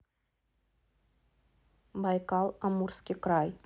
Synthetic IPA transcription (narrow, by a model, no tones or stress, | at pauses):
bɑjkɑlˠamurskʲikɾɑj